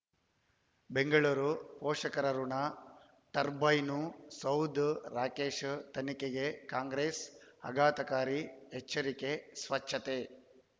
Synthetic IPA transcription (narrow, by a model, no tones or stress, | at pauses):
beŋɡɐɭuːɾupɔːʂɐkɐɾɐɾunɐ | t̪ɐɾbɐjnusɐwd̪ʱɾaːkeːʂt̪ɐnikeɡekaːŋɡɾeːsɐ̰ɡaːt̪ɐkaːɾiɦet͡ʃːɐɾike̞sʋɐt͡ʃʰːɐt̪e